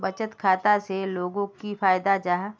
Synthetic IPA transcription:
bɐt͡ʃət̪kʰaːt̪aseloːɡõkifaːjɪd̪ad͡ʒaːɦ

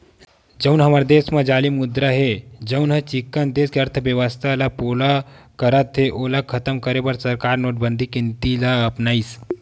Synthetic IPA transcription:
d͡ʒəwnɦəmaɾd̪esməd͡ʒaliːmud̪ɾaɦed͡ʑəwnɦət͡ɕikːənd̪eskeəɾt̪ʰəʋjəʋəst̪ʰalapola | kəɾat̪ʰːeʔolakʰət̪əmkəɾebəɾsəɾkaɾnoʈ̚bənd̪ʱikint̪ilaəpnaiːs

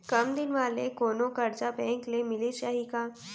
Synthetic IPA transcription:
kɐmd̪ɪnʋaːlekoːnõkɐɾd͡ʒabɛ̃ːŋklemɪlesaːɦikaː

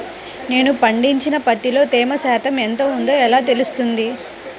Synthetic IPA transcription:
ne̞ːnupɐɳɖiɲt͡ʃinɐpɐt̪ːilo̞ːt̪eːmɐsaːt̪ʰɐment̪o̞ːund̪o̞ːɛlaːt̪e̞lust̪und̪i

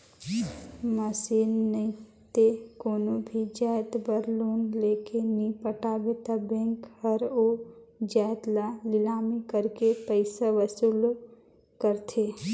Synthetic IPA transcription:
məsiːnːəĩt̪ekoːnõbʱid͡ʒaːjt̪bəɾloːnlekenipəʈaːbet̪abẽːŋkhəɾod͡ʒaːjt̪lalɪlaːmikəɾkepəɪsaʋəsuːl | kəɾt̪ʰe

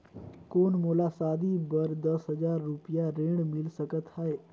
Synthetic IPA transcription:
koːnmoːlaːsaːd̪ibəɾd̪əsɦəzaːɾːʊpɪjaɾẽːɽmɪlsəkət̪haːeː

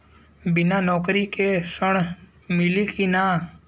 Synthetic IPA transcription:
bɪnanɔːkɾikesəɳ̃ | mɪlikina

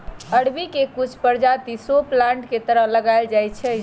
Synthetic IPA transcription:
əɽbikekut͡ʃʰpəɾd͡ʒat̪isoplãɳʈket̪əɾəɦləɡaɪld͡ʒajt͡ʃʰɛ

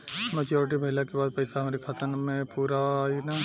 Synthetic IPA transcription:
mɛt͡ʃjoːɾɪʈ̬ibʱɐɪlakebaːd̪̚pɐɪsaɦɐmaːɾikʰaːt̪ənmẽpuːɾaina

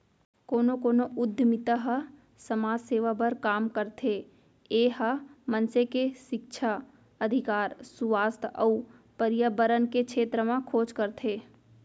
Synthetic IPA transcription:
koːnokoːnoʊd̪ʱːəmɪt̪əɦə | səmaːd͡ʒseːʋabəɾkaːmkəɾt̪ʰe | eːɦəmənsekeʃɪk̚ʃʰa | əd̪ʱɪkaːɾsuʋaːst̪ʰəu | pəɾjəbəɾənkekʃʰeːt̪ɾəmãkʰoːd͡ʒkəɾt̪ʰeː

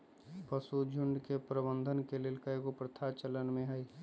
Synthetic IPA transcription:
pəsud͡ʒʱʊɳɖkepɾəbə̃nd̪ʱənkelɪlkəjkopɾət̪ʰat͡ʃələnmẽɦəi

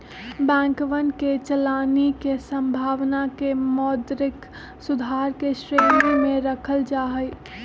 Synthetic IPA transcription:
bɛ̃ːŋkʋənket͡ʃəlaːnikesə̃mbʱaːʋnakemɔd̪ɾɪk | sʊd̪ʱaɾkeʃɾeːnɡimẽɾəkʰəld͡ʒaːɦəj

